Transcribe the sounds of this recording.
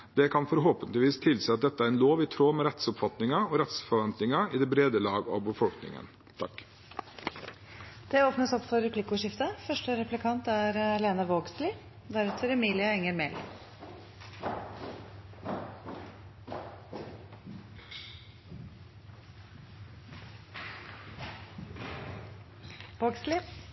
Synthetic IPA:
d̪̥ɛkʰɑnfɔɾɦoːpənt̪lɪʋiːst̪ʰɪlsɛːɑt̪̚d̪ɛt̪ːəæɾɛnloːʋɪːt̪ʰɾoːmɛɾɛt̪sʊpfɑt̪nɪŋɑɔɾɛt̪sfɔɾʋɛnt̪nɪŋɑid̪ɛbɾeːd̪əlɑːɡɔ̰bəfɔlknɪ̰ŋə̰n | t̪ʰɑk | d̪̥ɛoːpnəsɔpfɔɾɛpʰlɪkʊʂɪft̪əfœʂʈəɾɛplɪkʰɑnt̪æɾleːnɑʋoːɡslɪː | d̪æɾʉt̪ʰəɾɛmiːlɪəɛŋːəɾmɛl̰ | ʋoːɡslɪ

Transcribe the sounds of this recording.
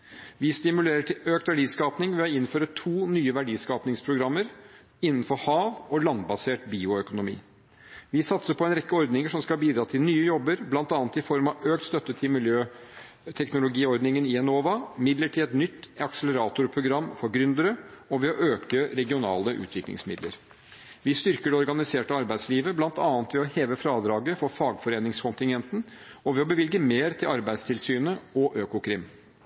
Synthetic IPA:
ʋɪst̪ɪmʉleːɾəʈʰɪløːk̚t̪ʋæɖiːskɑːpnɪŋʋɛɑɪnføːɾət̪ʰuːnyːəʋæɖiːskɑːpnɪŋspʰɾʊɡɾɑmːəɾ | ɪnːən̩fɔɾhɑːʋɔlɑnbɑseːʈbiːʊœkʊnʊmḭː | ʋɪsɑt̪səpʰɔɛnɾɛkːəɔɾd̪nɪŋəʂɔmskɑlbiːd̪ɾɑːt̪ʰɪlnyːəjɔbːəɾblɑnt̪ɑːnət̪ɪfɔɾmɑʋøːk̚t̪st̪œt̪ːət̪ʰɪlmɪljøː | t̪ʰɛknʊlʊɡiːɔɾd̪nɪŋənɪɛnoːʋɑmɪd̪ləʈʰɪlɛt̪nʏt̪ːɑksɛlɛɾɑːt̪ʊɾpʰɾʊɡɾɑmːfɔɾɡɾʏnd̪əɾəɔʋɛɔʔøːkəɾɛɡɪʊnɑ̰ːləʔʉ̰ːt̪ʋɪklɪ̰ŋsmɪd̪lə̰ɾ | ʋɪst̪ʏɾkəɖɛɔɾɡɑnɪseːʈəɑɾbæɪsliːʋəblɑnt̪ɑːnt̪ʋɛɔheːʋəfɾɑːd̪ɾɑːɡəfɔɾfɑːɡfɔɾeːnɪŋskʰɔnt̪ɪŋɡɛnt̪n̩ | ɔʋɛɔbəʋɪlɡəmeːɾt̪ʰɪlɑɾbæɪst̪ʰɪlsyːnəɔʔøːkʊkʰɾɪm

